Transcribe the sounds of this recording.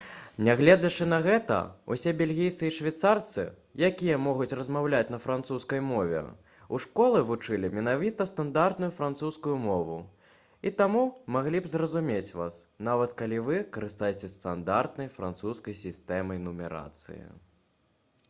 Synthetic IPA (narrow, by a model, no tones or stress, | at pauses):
nʲaɣlʲɛd͡zʲɐt͡ʂɨnɐɣɛt̪ɐ̰ṵsʲɛbʲɛlʲɣʲejt̪ɨiʂvʲat̪sart̪sɨ̰ | jakʲijɐmɔɣut͡sʲɾɐzmawlʲat͡sʲnɐfɾant̪suskɐjmɔvʲɛ̰ | uʂkɔlˠɨvut͡ʂɨlʲimʲɛnavʲit̪ɐst̪and̪art̪nujufɾant̪suskujumɔvu | it̪amumaɣlʲibzrɐzumʲet͡sʲvasnavɐt̪kalʲivɨkɐɾɨst̪ajɛt͡sʲɛst̪and̪art̪nɐjfɾa̰nt̪suskɐjsʲist̪ɛmɐjnumʲɛɾa̰t̪sɨ̰jḭ